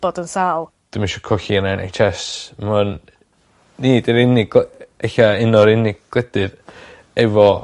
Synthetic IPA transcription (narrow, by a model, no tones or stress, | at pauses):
b̥ɔdənsaːlˠ | d̥ɪmiʃɔkʰɔɬiənɛnʔḛjt͡ʃʰɛsmanː | iːdəɾɪnɪɡeɬaɪnɔɾɪnɪɡ̚ɡ̥lɛdɨð | ɛvɔ